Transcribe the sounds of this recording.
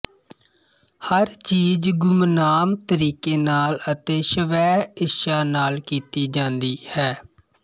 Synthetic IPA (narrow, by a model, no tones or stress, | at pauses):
həɾt͡ʃiːd͡ʒɡʊmnaːmt̪əɾiːkeːnaːlət̪eːʃəʋɛːɪʃaːnaːlkiːt̪iːd͡ʒãːnd̪iːhɛː